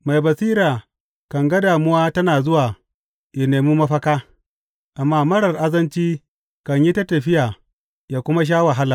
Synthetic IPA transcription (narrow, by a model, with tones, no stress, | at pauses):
ma˨jbɐ˨siː˦ɾaː˨ | kɐ˨ŋɡɐ˦daː˨mʊ˦waː˦tɐ˦naː˨zʊ˦waː˨ | ja˨neː˨muː˦mɐ˦ɸɐ˦kaː˦ | ʔa˨mːaː˦mɐ˦ɽɐ˨rʔa˦zɐ˦nt͡ʃiː˦ | kɐ˨ɲji˦ta˦tɐ˨ɸɪ˦jaː˨ | jaː˨kʷʊ˦ma˦ʃ̬aː˦wɐ˨ɦa˦la˨